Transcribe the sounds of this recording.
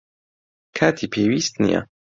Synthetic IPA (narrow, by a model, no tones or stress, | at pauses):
kʰat̪ʰipʰiwist̪nḭa̰